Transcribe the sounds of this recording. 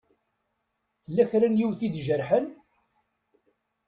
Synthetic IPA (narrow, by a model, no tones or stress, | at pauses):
θlːæçɾənjiwθid̪ʒəɾħən